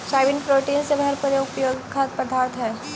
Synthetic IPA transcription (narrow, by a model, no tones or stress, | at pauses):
ʃaːʋɪnpɾoːʈiːnsebʱɐɦɛɾpəjoːɡpjoːɡkʰːaːt̪̚pɾɐd̪ʱaːɾt̪ɦɛː